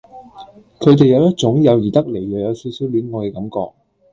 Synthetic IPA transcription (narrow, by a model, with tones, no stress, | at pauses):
kʰɵ˨˧t̪e˨jɐ˨˧wjɐ˥t̚t͡ʃʊ˨˥ŋjɐ˨˧wjiː˨˩t̪ɐ˥k̚le˨˩jjœː˨˩jɐ˨˧wsiː˨˥wsi˨˥wli˨˥nŋɔː˨˧kɛː˧kɐ˨˥mkɔ̰ː˧k̚